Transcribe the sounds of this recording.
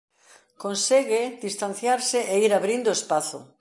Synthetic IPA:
konseɣed̪ist̪an̟θjaɾsɪeiɾaβɾind̪oespaθʊ̰

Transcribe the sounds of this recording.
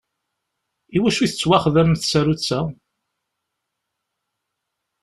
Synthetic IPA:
iwæʃuθət͡sːwæχðæmθsæɾut͡sːæ

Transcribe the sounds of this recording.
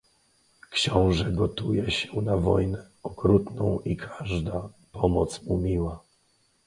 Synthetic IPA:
kɕɔ̃w̃ʐɛɡɔt̪ujɛɕɛnavɔjnɛ | ɔkɾut̪nɔ̃w̃ʔikʰaʐd̪a | pɔmɔt̪smumʲiwa

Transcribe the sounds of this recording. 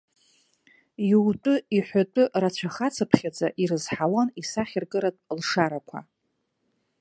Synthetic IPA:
juwtʷʼʊiħʷatʼʊrat͡ɕʷʰaχat͡sʰapʰχʲad͡zʼaʔiɾɨzħawanisaχʲɪrɡɨɾatʼlʂaɾakʷʰa̰

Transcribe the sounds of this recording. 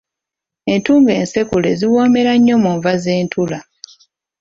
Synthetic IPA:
e̞ntuːŋɡe̞ːnse̞kuleziwo̞ːme̞ɾaɲːo̞muɱvaze̞ːntula

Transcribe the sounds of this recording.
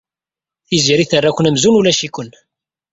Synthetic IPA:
θiziɾiθərˤːakʷənæmzunulæʃikʷən

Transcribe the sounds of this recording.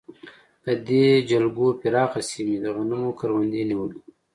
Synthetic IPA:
d̪̥əd̪ed͡ʒalɡopiɾɑːxasimid̪əɣanumokaɾwand̪iniwəli

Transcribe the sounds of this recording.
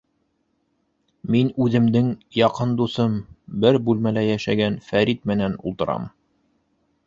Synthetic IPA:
minʉðɘ̆md̪ɘŋjɑqɤnd̪usɤmbɘɾbʉlmælæjæʃæ̰ɡænfæɾit̪̚mɘ̆nænṵlˠt̪ɤ̆ɾɑ̰m

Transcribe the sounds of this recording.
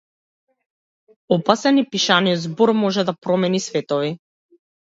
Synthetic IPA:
ɔpasɛnipiʃaniɔd̪zbɔɾmɔʒɛd̪apɾɔmɛnisvɛt̪ɔvi

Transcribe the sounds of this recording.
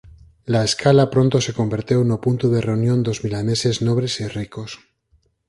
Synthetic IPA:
laeskalapɾo̞nt̪o̞se̞ko̞mbeɾt̪jonopunt̪uðe̞re̞unjõ̞nd̪o̞zmilane̞se̞zno̞β̞ɾe̞siriko̞s

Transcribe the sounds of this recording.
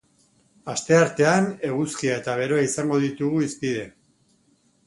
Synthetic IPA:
ast̪e̞aɾt̪e̞ane̞ɣuskiae̞t̪aβ̞e̞ɾo̞aisaŋɡo̞ðit̪uɣuispiðe̞

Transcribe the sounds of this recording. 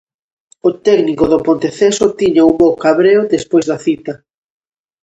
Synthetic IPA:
ʊt̪ɛɣnikoðopont̪eθesot̪iɲaumbowkaβɾeoðespojzðɐθit̪ɐ

